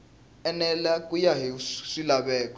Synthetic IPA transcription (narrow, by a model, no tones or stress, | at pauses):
ɛnɛlak̬ʼujaɦiʂilaβɛːkɔ